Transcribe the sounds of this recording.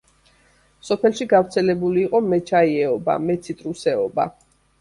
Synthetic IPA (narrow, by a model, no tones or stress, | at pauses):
sɔpʰɛlʃiɡavɾt̪sʰɛlɛbuliːqʼɔmɛt͡ʃʰaiɛɔba̰mɛt̪sʰit̪ʼɾusɛɔba̰